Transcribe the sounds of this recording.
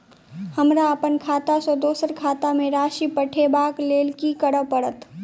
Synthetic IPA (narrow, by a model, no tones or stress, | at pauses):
hɐmɾaəpənkʰaːt̪asɔd̪oːsəɾkʰaːt̪amẽɾaːʃipəʈʰebaːkleːlkikəɽəʋpəɽət̪